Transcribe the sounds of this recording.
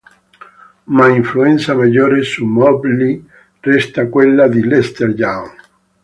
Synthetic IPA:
maiɱfluensamaʎoɾesumɔbli | rɛst̪akwelːaðilest̪eɾjaŋ

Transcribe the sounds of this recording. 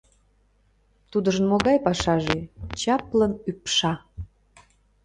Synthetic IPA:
t̪ud̪əʒənmoɣɑjpɑʃɑʒet͡ɕɑplənypʃɑ

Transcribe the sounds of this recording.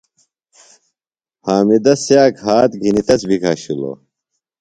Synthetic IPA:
haːmid̪ɐsjaːkaːt̪ɡʱinit̪ɐt͡sbikʰaːɕilo̰ː

